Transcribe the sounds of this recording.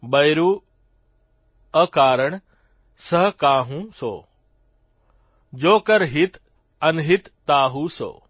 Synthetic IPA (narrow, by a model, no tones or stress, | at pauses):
bɐjɾuː | əkaːɾəɽ̃ | səɦkaːɦũso̰ː | d͡ʑoːkəɾɦɪt̪ʰ | ɐnɦit̪ːaːɦuːso̰ː